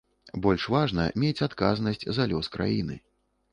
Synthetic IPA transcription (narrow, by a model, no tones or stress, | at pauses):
bɔlʲʂvaʐnɐ̰mʲet͡sʲat̪kaznɐsʲt͡sʲzalʲɔskɾʔa̰jinɨ̰